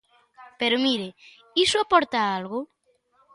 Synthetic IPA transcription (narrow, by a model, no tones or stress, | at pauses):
peɾomiɾe | isoapɔɾt̪aalɣo